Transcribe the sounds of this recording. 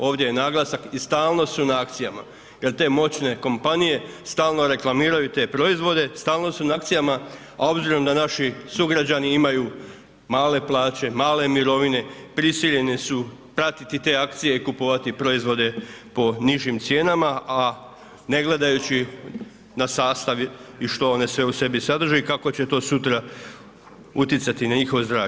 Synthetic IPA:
o̞ːʋd̪je̞jenaːɡlˠasakist̪aːlˠno̞sunaakt̪sijama̰ | je̞ɾt̪e̞ːmo̞t͡ɕne̞ko̞mpanije̞st̪aːlˠno̞ɾe̞klˠamiːɾajut̪e̞ːpɾo̞izʋo̞d̪e̞st̪aːlno̞sunakt̪sijama | ao̞bziɾo̞md̪anaʃisuɡɾad͡ʑaniimaju | maːle̞plˠaːt͡ɕe̞maːle̞miɾo̞ʋine̞pɾisiʎe̞nesupɾat̪it̪it̪e̞ːakt̪sije̞ikupoʋat̪ipɾo̞izʋo̞d̪e̞po̞niʒimt̪sje̞ːnamaa | ne̞ɡle̞d̪ajut͡ɕi | nasaːst̪aʋiʃt̪o̞o̞ne̞sʋe̞use̞bisad̪r̩ʒikako̞t͡ɕe̞t̪o̞ːsut̪ɾa | ut̪jet̪sat̪inaɲixo̞ʋozd̪ɾa̰ː

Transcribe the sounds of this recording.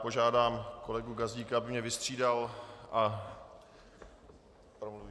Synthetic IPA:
po̞ʒaːdaːmko̞lɛɡuɡazɟiːkaabɪmɲɛvɪst̪r̝̥iːdalʔa | pɾomluvi

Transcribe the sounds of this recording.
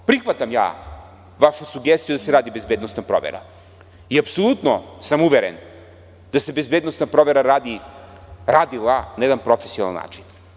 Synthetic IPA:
pɾixʋat̪amja̰ː | ʋaʃusuɡest̪ijud̪aseɾaːd̪ibezbed̪nost̪napɾo̰ʋḛɾa̰ | iapsolˠut̪nosamuʋeɾḛn | d̪̥ase̞bezbeːd̪nost̪napɾoʋeɾaɾaːd̪i | ɾad̪ilˠanajed̪anpɾofesijona̰lna̰ːt͡ʃin

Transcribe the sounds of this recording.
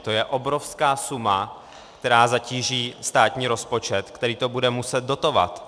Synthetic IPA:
t̪o̞jɛʔo̞bɾo̞fskaːsuma | kt̪ɛɾaːzaciːʒiːst̪aːt̪ɲiːɾo̞spo̞t͡ʃɛt̪kt̪ɛɾiːt̪o̞budɛmusɛd̪̚do̞t̪o̞va̰t̪

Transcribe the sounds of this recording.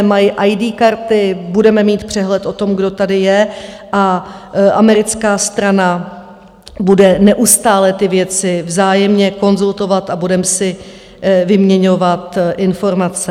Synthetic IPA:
majɪʔajdiːkaɾt̪ɪbudɛmɛmiːt̪pr̝̥ɛɦlɛt̪ʔo̞t̪o̞mɡdo̞t̪adɪjɛ | ʔa | ʔamɛɾɪt͡skaːst̪ɾana | budɛnɛʔust̪aːlɛt̪ɪvjɛt͡sɪvzaːjɛmɲɛko̞nzult̪o̞vat̪abudɛmsɪ | vɪmɲɛɲo̞vat̪ʔɪnfo̞ɾmat͡sɛ

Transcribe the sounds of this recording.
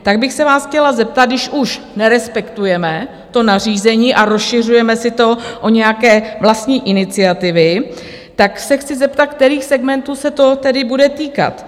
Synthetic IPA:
t̪aɡbɪxsɛvaːsxcɛlazɛp̚t̪ad̪̚dɪʃʔuʃ | nɛɾɛspɛkt̪ujɛmɛ | t̪o̞nar̝iːzɛɲiːʔaɾosʃɪr̝ujɛmɛsɪt̪o̞ʔoɲɛjakɛːvlast̪ɲiːʔɪnɪt͡sɪat̪ɪvɪ | t̪aksɛxt͡sɪzɛpt̪at̪̚k̚t̪ɛɾiːxsɛɡmɛnt̪uːsɛt̪o̞t̪ɛdɪbudɛt̪iːka̰t̪

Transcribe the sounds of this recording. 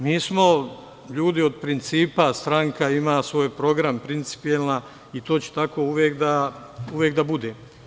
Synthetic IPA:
miːsmo̞ | ʎuːd̪iod̪̚pɾint̪siːpast̪ɾaŋkaimaːsʋo̞ːjpɾo̞ɡɾampɾint̪si̥pijelna | it̪o̞ːt͡ɕe̥t̪ako̞ːuʋjeːkd̪a | uʋjeːkd̪abud̪e̞ː

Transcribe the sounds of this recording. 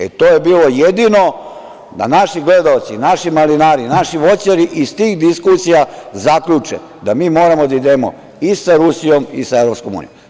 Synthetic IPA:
ḛt̪oːjebiːlo̞jed̪ino̞ | d̪a̰naʃiɡled̪aot̪sinaʃimalinaːɾinaʃiʋo̞t͡ɕaɾiʔist̪iːxd̪iskusijazakʎut͡ʂḛ | d̪amiːmo̞ːɾamod̪aid̪eːmo̞̰ | isaɾusijo̞misaevɾo̞pskomṵnijom

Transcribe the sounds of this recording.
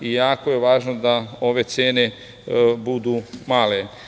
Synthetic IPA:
ijaːkoje̞ʋaːʒnod̪ao̞ʋe̞t̪seːne̞ | bud̪umaːle̞

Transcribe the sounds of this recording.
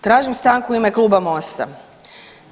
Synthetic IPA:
t̪ɾaːʒimst̪aːŋkuime̞klˠuːbamo̞st̪a̰

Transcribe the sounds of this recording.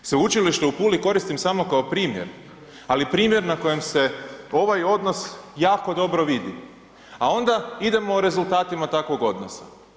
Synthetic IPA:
seut͡ʃiliʃt̪eupuːliko̞ɾist̪imsamo̞kaopɾiːmje̞̰ɾ | alipɾiːmje̞ɾnako̞jemse̞o̞ʋajo̞d̪no̞sjaːko̞d̪o̞bɾo̞ʋid̪ḭ | ao̞nd̪aid̪e̞mo̞ːɾe̞zulˠt̪aːt̪imat̪akʋo̞ɡo̞d̪nosa̰

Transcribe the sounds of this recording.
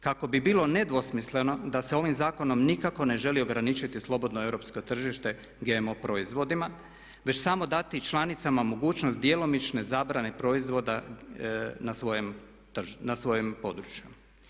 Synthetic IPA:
kako̞bibiːlo̞ne̞d̪ʋo̞smisle̞no̞d̪ase̞o̞ʋimzaːko̞no̞mnikako̞ne̞ʒe̞lio̞ɡɾanit͡ʃit̪islˠo̞bo̞d̪noe̞vɾopsko̞t̪r̩ʒiʃt̪e̞ | ɡemopɾo̞izʋo̞d̪ima | ʋe̞t͡ɕsamo̞d̪at̪it͡ʃlˠanit̪samamo̞ɡuːt͡ʃnost̪̚d̪jelo̞mit͡ʃne̞zaːbɾane̞pɾo̞izʋo̞d̪a | nasʋo̞jem | t̪rnasʋo̞jempo̞d̪ɾut͡ʃju

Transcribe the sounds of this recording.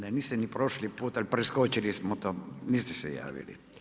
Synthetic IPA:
neniːst̪enipɾoʃlipuːt̪alipɾeskot͡ʃilismot̪oːniːst̪esḛja̰ːʋḭlḭ

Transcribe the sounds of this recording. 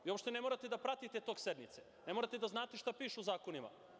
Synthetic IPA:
ʋio̞pʃt̪e̞ne̞moɾat̪ed̪apɾat̪it̪et̪oɡse̞d̪mit̪se | ne̞moːɾat̪ed̪aznaːt̪eʃt̪apiːʃuːzaːkonima̰

